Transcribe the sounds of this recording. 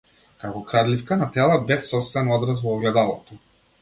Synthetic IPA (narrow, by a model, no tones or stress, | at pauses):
kakɔkɾad̪lifkanat̪ɛlˠabɛsːɔpst̪vɛnɔd̪ɾas̬vɔːɡlɛd̪alˠɔt̪ɔ